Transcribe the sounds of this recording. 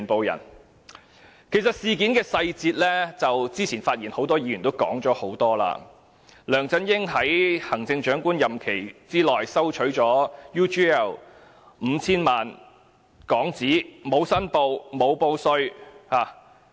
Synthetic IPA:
npo˨wjɐ̰˨˩n | kʰe˨˩sɐ˨t̚siː˨k̬iː˨˥nkɛː˧sɐ˧jt͡siː˧t̚lɛː˥t͡sɐ˨wt͡siː˥t͡sʰiː˨˩nfaː˧t̚jiː˨˩nho˨˥wt̪ɔː˥jiː˨˥ɥy˨˩nt̪o˥wkɔ̰ː˨˥ŋt͡ʃɔː˨˥ho˨˥wt̪ɔː˥la̰ː˧ | lœː˨˩ŋt͡sɐ˥njɪ˥ŋɦɐ˨˥jhɐ˨˩ŋt͡sɪ˧ŋt͡ʃœː˨˥ŋkuː˥njɐ˨mkʰe˨˩jt͡siː˥lɔː˨jsɐ˥wt͡ʃʰɵ˨˥ɥt͡ʃɔː˨˥juː˥t͡ʃiː˥ɛ˥˩l | m̩˨˧t͡sʰiː˥nmaː˨n | kɔː˨˥ŋt͡siː˨˥mo˨˧wsɐ˥npo˧wmo˨˧wpo˧wsɵ˧ɥhaː˨˩

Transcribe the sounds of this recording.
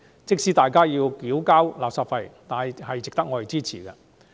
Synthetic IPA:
t͡sɪ˥k̚siː˥t̪aː˨jkaː˥jiː˧wkiː˨˥wkaː˥wlaː˨p̚saː˨˩fɐ˧jt̪aː˨n˨jhɐ˨jt͡sɪ˨kt̪ɐ˥k̚ŋɔː˨˧e˨jt͡siː˥t͡sʰḭː˨˩kɛ̰˧

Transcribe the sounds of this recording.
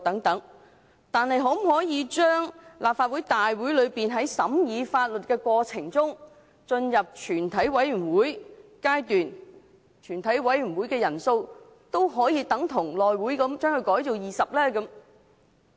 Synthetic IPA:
t̪ɐ˨˥ŋt̪ɐ˨˥ŋ | t̪aː˨nhɐ˨jɦo˨˥m̩˨˩ɦɔː˨˥jiː˨˧t͡ʃœː˥ŋlaː˨p̚faː˧t̚wu˨˥jt̪aː˨jwu˨˥jlɵ˨˧ɥpiː˨nɦɐ˨˥jsɐ˨˥mjiː˨˧faː˧t̚lɵ˨t̚kɛː˧kʷwɔː˧t͡sʰɪ˨˩ŋt͡sʊ˥ŋ | t͡ʃɵ˧njɐ˨p̚t͡ʃʰyː˨˩nt̪ʰɐ˨˥jwɐ˨˥jɥy˨˩nwuː˨˥jkaː˥jt̪yː˨n | t͡ʃʰyː˨˩nt̪ʰɐ˨˥jwɐ˨˥jy˨˩nwu˨˥jkɛː˧jɐ˨˩nso˧w | t̪o˥wɦɔː˨˥jiː˧t̪ɐ˨˥ŋt̪ʰʊ˨˩ŋlɔː˨jwuː˨˥jkɐ˨˧˥mt͡ʃœː˥ŋhɵ˧ɥkɔː˨˥jto˨wjiː˨sɐ˨p̚lɛː˥kɐ˨˥m

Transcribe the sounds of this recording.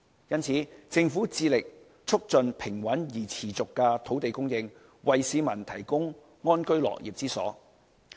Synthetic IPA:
jɐ˥nt͡sʰiː˨˥t͡sɪ˧ŋfuː˨˥t͡siː˧lɪ˨k̚ | t͡sʰʊ˥k̚t͡sɵ˨˧npʰɪ˨˩ŋwɐ˨˥njiː˨˩t͡sʰiː˨˩t͡sʊ˨kːɛː˧t̪ʰo˨˥wt̪e˨jkʊ˥ŋjɪ˧ŋ | wɐ˨jsiː˨˧mɐ˨˩nt̪ʰɐ˨˩jkʊ˥ŋ | ŋɔː˥nkɵ˥ɥlɔ̰ː˨˩kjiː˨p̚t͡siː˥sɔ̰ː˨˥

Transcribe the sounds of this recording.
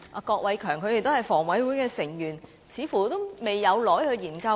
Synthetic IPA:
ʔaː˨˩kɔː˧k̚wʔɐ˨˥jkʰœː˨˩ŋkʰɵ˧t̪e˨˩t̪o˥hɐ˨jfɔː˨˩ŋwɐ˨˥jwuː˨˥jkɛː˧sɪ˨˩ŋjyː˨˩n | t͡sʰiː˨˧fuː˨˩t̪o˥wme˨˩jːɐ˨˧wlɔː˨˥jhɵ˧ɥjiː˨˩nkɐ˧

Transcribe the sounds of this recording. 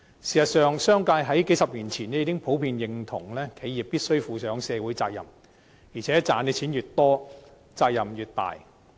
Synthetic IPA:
siː˨˩sɐ˨t̚sœː˨ŋsœː˥ŋkaː˧jɦɐ˨˥jke˨˥jsɐ˨p̚liː˨˩nt͡sʰiː˨˩nɛ˥jiː˨˧˥ɪ˥ŋpʰo˨˥wpʰiː˧njɪ˨˧ŋt̪ʰʊ˨˩ŋlɛː˥kʰe˨˧˥jiː˨p̚pːiː˥t̚sɵ˥ɥfuː˧sœː˨˥ŋsɛː˨˧wuː˨˥jt͡saː˧k̚jɐ̰˨˩m | jiː˨˩t͡sʰɛː˨˥t͡saː˨˧˥nɛ˧t͡sʰiː˨˥njyː˨t̚t̪ɔː˥ | t͡saː˧k̚jɐ˨˩mjyː˨˩t̚t̪a̰ː˨j

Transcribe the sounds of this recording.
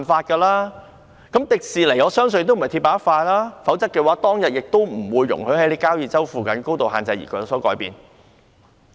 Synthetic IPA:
nfaː˧t̚kɐː˧laː˥ | kɐ˨˥mt̪ɪ˨k̚siː˨le˨˩jɔː˨˧sœː˥ŋsɵ˧n˨t̪ːm̩˨˩˨jt̪ʰi˧pːaː˨˥ɐ˥tfaː˧jlaː˥fɐ˨˥wt͡sɐ˥k̚ːɛː˧waː˨˥t̪ɔː˥ŋjɐ˨t̚jɪ˨k̚t̪o˥wm̩˨˩wuː˨˧jːʊ̰˨˩ŋhɵ˨˧˥hɐ˨˥jle˨˧˥kaː˥wjiː˨˩t͡sɐ˥wfuː˨˩kɐ˨˥nko˥wt̪o˨wɦa̰ː˨nt͡sɐ˧jḭ˨˩kɔ˨˧˩sɔː˨˥kɔː˨˥jpḭː˨n

